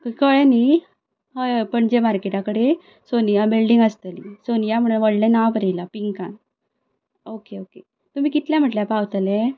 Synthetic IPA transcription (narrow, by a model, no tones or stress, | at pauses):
kkəɭani | ɦəjpəɳd͡ʑemaɾkeʈakəɽe | soniabelɖiŋɡəst̪əlisonijam̤əɳ̃uʋəɽlẽnaʋpəɾelapiŋkãn | okeoke | t̪um̤iːkit̪ljãm̤əʈljapawt̪le